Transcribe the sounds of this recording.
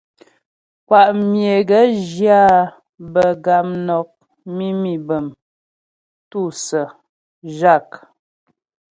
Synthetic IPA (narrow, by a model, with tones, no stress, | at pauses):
kwa˨ʔmje˨ɡə˨˦ʒja˦˨ | bə˨ɡa˨mnɔ˨k̚ | mi˦mi˨bə˨m | tu˦˨sə˨ | ʒa˦˨k